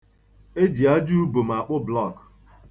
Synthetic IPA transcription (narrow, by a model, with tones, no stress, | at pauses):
e˦d͡ʒi˨a˦d͡ʒu˦u˦bo˨m̩˨a˨k͡pʊ˦blɔ˦˨k